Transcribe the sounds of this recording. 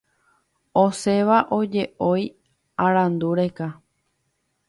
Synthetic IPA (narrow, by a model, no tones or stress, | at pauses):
ose̞ʋaʔod͡ʒe̞ʔo̞j | aɾãnd̪uɾeka